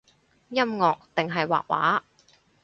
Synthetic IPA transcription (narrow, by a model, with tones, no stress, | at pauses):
jɐ˥mŋɔː˨k̚t̪ɪ˨ŋɦɐ˨jwa̰ː˨k̚wa̰ː˨˥